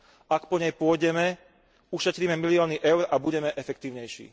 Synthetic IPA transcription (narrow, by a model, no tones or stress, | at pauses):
akpɔɲɛjpʊɔjɟɛmɛ | uʃɛt̪ɾiːmɛmiliɔːniʔɛʊɾabuɟɛmɛʔɛfɛk̚t̪iːʊɲɛjʃḭː